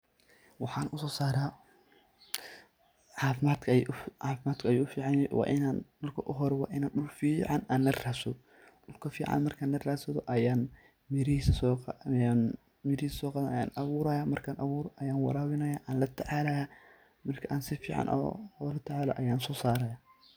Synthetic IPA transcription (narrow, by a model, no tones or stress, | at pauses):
wɑħɑːnʊsɔːsaːɾaː | ʕɑːfɪmaːd̪kʰɐʕɑːfɪmaːd̪kʰɐɐjuːʊfiːʕɑnɛjwʔɑ̰ːʔɪnaːnmɐrkʰɐʔʊɦɔɾɛwɑ̰ːʔɪnaːnɗʊlfiːʕɑnaːnːɐrraːsɐ | ɗʊlkʰɐfḭːʕɑ̰nmɐrkʰaːnlɐraːsɐðɔ̰ʔɐjaːn | mɪɾɪhiːsɐsɔjan | mɪɾɪhiːsɐsɔːqɑːðɐnɐja̰ːnɐβʊːɾɐjaːmɐrkʰaːnʔɐβuːɾɔʔɐjaːnwɑ̰ɾaːwɪnɐjaːʔaːnlɐt̪ʰɐʕaːlɐ | mɐrkʰɐʔaːnsɪfiːʕɑ̰nʔɔ̰ɔlɐt̪ʰɐʕaːlɔ̰ʔɐjaːnsɔːsaːɾɐjaː